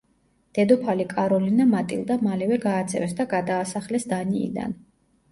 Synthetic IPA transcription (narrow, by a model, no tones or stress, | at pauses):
d̪̥ɛd̪ɔpʰalikʼaɾɔlinamat̪ʼḭlˠd̪amalɛvɛɡaːt̪sʰʼɛ̰vɛsd̪aɡad̪aːsaχlɛsd̪anḭːd̪a̰n